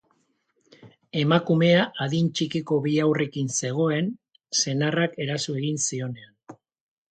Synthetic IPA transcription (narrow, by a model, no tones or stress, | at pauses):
e̞makume̞aʔaðint͡ʃikiko̞βiawre̞kinse̞ɣ̞o̞e̞n | se̞narake̞ɾasue̞ɣinsio̞ne̞an